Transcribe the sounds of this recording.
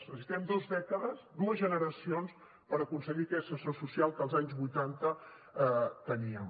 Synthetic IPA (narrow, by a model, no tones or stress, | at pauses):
səsit̪ɛmd̪ozðɛkəðəzd̪uəzʒənəɾəsions | pəɾəkunsəɣikɛsəsosusialˠkəːlˠzaɲzβujt̪ant̪ə | t̪əniəm